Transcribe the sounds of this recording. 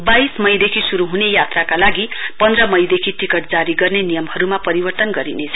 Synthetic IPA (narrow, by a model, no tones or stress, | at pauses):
baismʌjd̪ekʰisuɾuɦunejat̪rakalaɡipʌnd̪rʌmʌjd̪ekʰiʈikʌʈ̚d͡zaɾiɡʌrnenijʌmhʌɾumapʌɾibʌrt̪ʌnɡʌɾinet͡sʰʌ